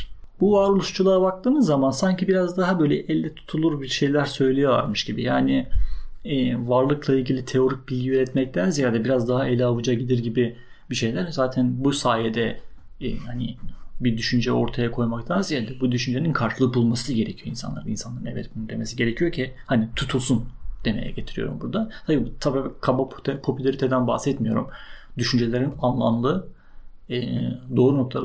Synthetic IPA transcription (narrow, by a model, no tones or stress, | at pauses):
b̥uvaːɾolˠuʃt͡ʃʰulˠaabak̚t̪ʰɯːmɯzːamansaɲcʰibiɾazd̪aɦabøjlʲɛʔɛlʲd̪ɛt̪ʰu̥t̪ʰulˠuɾbiɾʃe̞jlʲæɾsø̞jlʲejo̞vˠa̰ɾmɯʃɟibḭjaːnɪ | ɛːvaɾlˠɯklˠailʲɟilʲit̪ʰe̞o̞ɾic̚bilʲɟʲiyɾɛt̪mɛc̚t̪ʰænzijaːd̪ɛbiɾazd̪aɦaelʲavɯd͡ʒaɟid̪ʲiɾɟibi | biʃe̞jlʲæɾzaːt̪ʰænbusaːjed̪ɛ | ɛ̰hanibid̪yʃynd͡ʒɛo̞ɾt̪ʰajakʰo̞jmak̚t̪ʰanzijald̪ɛbud̪yʃynd͡ʒeninkʰaɾʃɯlˠɯk̚bulˠmasɟe̞ɾɛcʰijo̞insanlˠaɾɯninsanlˠaɾɯnɛvɛ̰t̪̚bunund̪e̞me̞siɟe̞ɾecʰijo̞cʰihanit̪ʰut̪ʰulˠsund̪̥emejɛ̰ɟe̞t̪ʰiɾḭjo̞̰ɾṵmbuɾd̪at̪ʰabibt̪ʰabiakʰabapt̪ʰɛpʰo̞pylʲaɾit̪ʰed̪ænba̰hsɛt̪mijo̞̰ɾṵmd̪yʃynd͡ʒe̞lʲe̞ɾinanlˠamlˠɯ | ɛd̪o̞ːɾuno̞k̚lˠa̰